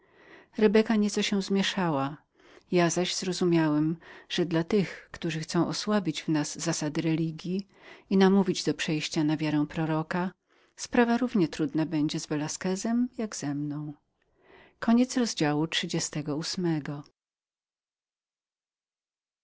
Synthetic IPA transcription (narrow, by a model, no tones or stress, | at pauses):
ɾɛbɛkaɲɛt̪sɔɕɛ̃zmʲjɛʂawa | jazaʑz̥ɾɔzumʲjawɛmʐ̥ɛd̪lat̪ɘxkt̪uʐɘxt̪sɔ̃w̃ʔɔswabʲid͡ʑvnaz̥ːasad̪ɘɾɛlʲiɡʲji | inamuvʲid͡ʑd̪ɔpʂɛjɕt͡ɕanavʲjaɾɛ̃w̃pɾɔɾɔka | spɾavaɾuvɲɛt̪ɾud̪nabɛɲd͡ʑɛzvɛlaskɛzɛmjaɡz̥ɛmnɔ̃w̃ | kʰɔɲɛt̪sɾɔzd͡ʑawutʂɘd͡ʑɛst̪ɛɡɔusmɛɡɔ